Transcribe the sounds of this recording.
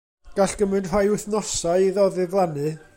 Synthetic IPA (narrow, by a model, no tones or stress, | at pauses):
ɡ̥aɬɡ̥əmɨnd̥rajʊθnɔsaɨiðɔðɨɡlˠanɨ